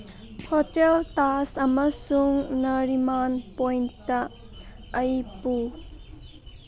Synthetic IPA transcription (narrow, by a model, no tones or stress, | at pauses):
hoteltasɐmɐsuŋnɐɾimanpojntɐː | jpu